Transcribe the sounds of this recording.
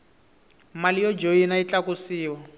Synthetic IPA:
malijɔd͡ʒoinait͡ɬakusiːwa

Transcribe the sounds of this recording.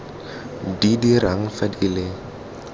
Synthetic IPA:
didiraŋ̩fadilɪ

